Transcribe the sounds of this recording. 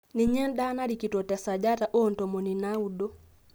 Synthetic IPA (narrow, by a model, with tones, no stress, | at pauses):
ni˨ɲɛ˦n˦da˦na˦ɾi˨ki˨twɔ˨ta˨sa˨d͡ʒa˦ta˨ʔɔ˦ntɔ˨mɔ˨ni˨na˦u˦dɔ˦